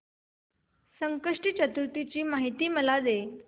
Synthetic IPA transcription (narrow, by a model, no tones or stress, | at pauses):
səŋkəʂʈit͡ɕət̪ɾut̪it͡ɕiːmaɦit̪iːməlad̪e